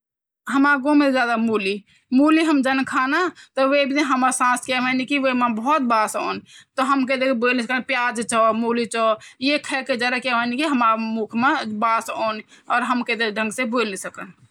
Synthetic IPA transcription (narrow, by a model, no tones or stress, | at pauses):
ɦəmaɡomed͡ʒjad̪amuli | muliɦəmd͡ʒənkʰanat̪ɔʋebʱiniɦəməɾsãskɛɦənikiʋəmãbəɦɔt̪̚basɔ̰ːnt̪ɔɦəmked̪ekbolnisəkənpjad͡ʒt͡ʃɔmulit͡ʃɔjekʰɛked͡ʒəɾəkeɦənikiɦəmamukʰmẽbasɔ̰ːnɔːɾɦəmked̪eɖʱə̃ŋɡsebolnisəkən